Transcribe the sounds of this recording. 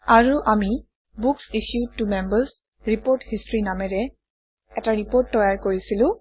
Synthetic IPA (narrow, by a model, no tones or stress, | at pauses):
aɹuʔami | buksiʃjutumɛmbəs | ɹipoɹthistɹinamɛɹɛ | ɛtaɹipoɹtːɔjaɹkoɹisilʊ̃